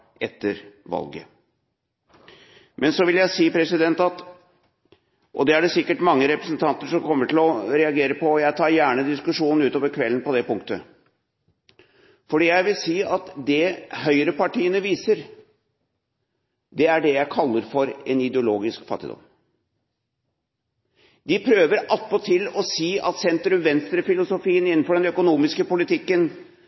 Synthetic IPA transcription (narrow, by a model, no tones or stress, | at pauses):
ʔɛt̪ːəɾʋɑ̰lɡə̰ | mʔɛnsɔʋɪljæɪsiːpʰɾɛsɪd̪ɛnt̪ɑt̪ | ʔɔd̪ɛæɖɛsɪkːəʈmɑŋːəɾɛpɾəsnt̪ʰɑnt̪əʂɔmkʰɔmːəʈɪlɔɾɛɑɡeːɾəpɔːjæɪt̪ʰɑːɾjæːɳəd̪ɪskʉʂuːnn̩ʉːt̪oːʋəɾkʰʋɛlːn̩pɔd̪ɛpʊŋkt̪ə | fɔɖiːjæɪʋɪlsiːɑt̪d̪ɛhœʏɾəpɑʈiːənəʋiːsəɾ | d̪ɛæɖɛjæɪkʰɑlːəɾfɔɾɛnɪd̪ɛʊloːɡɪskfɑt̪ːɪ̰d̪ɔ̰m | d̪ɪpʰɾøːʋəɾɑlp̪ːɔt̪ʰɪlɔsiːɑ̰t̪sɛnt̪ɾʉmʋɛnst̪ɾəfɪlʊsʊfiːənɪnːn̩fɔɖɛnœkʊnuːmɪskəpʊlɪt̪ʰɪkːən